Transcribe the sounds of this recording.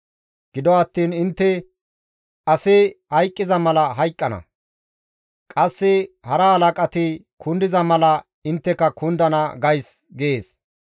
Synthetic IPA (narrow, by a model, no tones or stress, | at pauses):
ɡ̥ɪd̪ɔɐt̪ːiːnɪnt̪ːɛ | ʔɐsɪhɐjkʼːɪzɐmɐlɐɦɐjkʼːɐnɐ̰ | kʼɐsːɪhɐɾɐhɐlɐkʼɐt̪ɪkʰʊnd̪ɪzɐmɐlɐ | ɪnt̪ːɛkːɐkʰʊnd̪ɐnɐɡɐjs | ɡeːs